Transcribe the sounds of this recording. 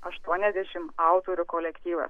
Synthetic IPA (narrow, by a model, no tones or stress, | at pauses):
ɐʃt̪uɔnʲɛzʲd̪ʲɛʃʲɪmɑˑʊt̪oːɾʲʊkoːlʲɛkt̪ʲiːʋɐ̰s